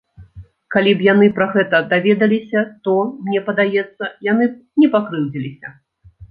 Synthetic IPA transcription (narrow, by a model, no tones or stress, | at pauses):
kalʲipjanɨpɾɐɣɛt̪ɐd̪avʲɛd̪ɐlʲisʲɐt̪ɔmnʲɛpɐd̪ajɛt̪sːɐjan̪ɨnʲɛpakɾɨwd͡zʲilʲisʲɐ